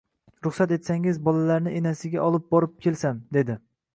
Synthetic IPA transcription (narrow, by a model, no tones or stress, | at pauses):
ɾʊχsat̪e̞t̪saŋɪzbɒlalaɾnɪʔenasɪɡʲaʔɒlˠɪp̚bɒɾɪp̚kʲʰe̞lsamd̪e̞d̪ɪ